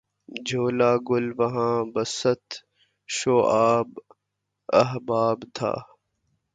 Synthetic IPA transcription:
d͡ʒʱoːlaːɡʊlʋɐɦãːbɐsət̪ | ʃoːʔaːb | ɐɦbaːbt̪ʰa̰ː

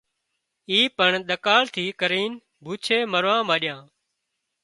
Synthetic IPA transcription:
iːpəɳɗ̪əkaːlt̪ʰiːkəɾiːn | bʱuːt͡ʃʰeːməɾʋãːmaːɗɪjãː

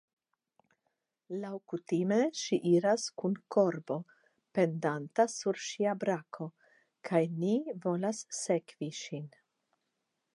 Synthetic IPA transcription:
lawkutime̞ʃiʔiɾaskunkʰo̞ɾbo̞ | pe̞ndantasuɾʃiabɾakʰo̞ | kʰajnivo̞lasːe̞kviʃin

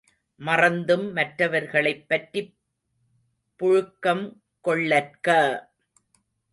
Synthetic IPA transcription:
mɐrɐnd̪ɯmːɐʈɾɐʋɐɾɣɐɭɐɪpːɐʈri | pːʊɻʊkːɐm | kɔɭːɐɾkɐː

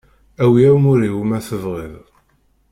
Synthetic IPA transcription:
æwiæwmʊɾiwumæθəvʁiðˤ

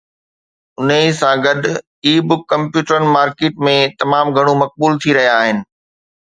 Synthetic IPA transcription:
ʊnesãɡɐɗʊ | iːbʊkːɐ̃mpjuːʈəɾənɪ̆maːɾkeːʈmẽt̪ɐmaːmɡʱɐɽ̃umɐk̚buːlt̪ʰiɾɐɦijaːɦɪnɪ̆

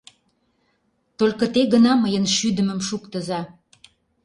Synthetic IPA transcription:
t̪olʲkə̆t̪eɣənɑməjənʃyd̪ə̆mə̆mʃukt̪ə̆zɑ

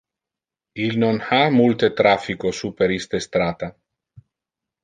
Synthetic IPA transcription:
ilnonhamult̪et̪ɾafikosupeɾist̪est̪ɾaːt̪a

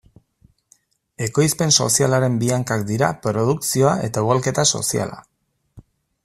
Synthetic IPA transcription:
e̞ko̞jspe̞nso̞̰sialaɾe̞mbiaŋkak̚d̪iɾa̰pɾo̞ð̞uksio̞aʔe̞t̪auɣalke̞t̪aso̞̰sia̰la̰

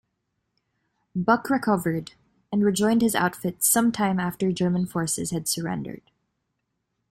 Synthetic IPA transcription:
bʌkɹɨkʰʌvə˞d | ɨ̃nɹɨd͡ʒɔ̃ɪ̃nd̚ɨza̰ʊtfɪtsʌ̃mtʰãɪ̃mæftə˞d͡ʒɜ˞mə̃n̩fɔɹsɨ̰z̥ɨd̥sə˞ɛ̰̃ndə̰˞d̥

